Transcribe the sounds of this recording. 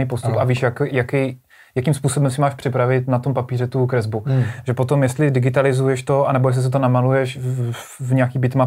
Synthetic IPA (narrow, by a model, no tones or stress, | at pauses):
ipost̪upaviːʃjakjakɛj | jakimspuːso̞bɛmsɪmaːʃpr̥ɪpɾavɪt̪nat̪o̞mpapiːrɛt̪ukɾɛzbuʒɛpo̞t̪o̞mjɛst̪lɪdɪɡɪt̪alɪzujɛʃt̪o̞anɛbo̞jɛs̬lɪs̬ɛt̪̬onamalujɛʃ | vɲɛakiːbɪt̪ma